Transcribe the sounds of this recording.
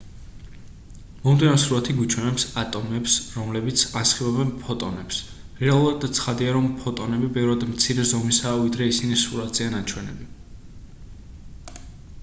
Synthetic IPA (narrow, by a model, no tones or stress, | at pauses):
mɔmd̪inamsɾulat̪ʰiɡut͡ʃʰwɛnɛpsat̪ʼɔmɛpsɾɔmlɛbit̪sʰasχibɛbɛnpʰɔt̪ʼɔ̰nɛps | ɾɛalˠuɾad̪̚d̪at̪sʰχad̪iaɾɔmpʰɔt̪ʼɔnɛbibɛvɾad̪mt̪sʰiɾɛzɔmisaːvid̪ɾɛisinisuɾat̪zʼianat͡ʃʰwɛnɛ̰bi